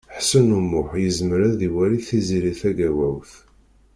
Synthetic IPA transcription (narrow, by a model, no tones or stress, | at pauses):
ħsənumːʊħjəzməɾæðiwæɾiθiziɾiθæɡæwæwθ